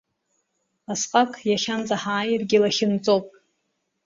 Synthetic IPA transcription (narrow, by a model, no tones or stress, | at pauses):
asqʼakʼʰjaχʲand͡zʼaħaːjrɡʲɪlaχʲɪnt͡sʼowpʼ